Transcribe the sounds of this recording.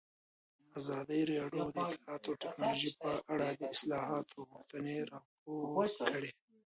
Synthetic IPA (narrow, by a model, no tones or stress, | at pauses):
azɑd̪əjɾɑɖjod̪əɪt̪lɪ̥hɑːt̪aʈɪknɑloʒipəʔaɽad̪əɪslɑɦɑt̪ʰoɣʊxt̪əneɾɑp̚okəɽe